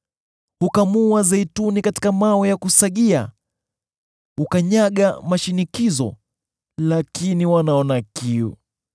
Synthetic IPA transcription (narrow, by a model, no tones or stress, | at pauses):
hukamuazɛitunikati̥kamaɔjakusaɠia | ukaɲaɠamaʃinikizɔ̰ | lakiniwanaɔnakiṵ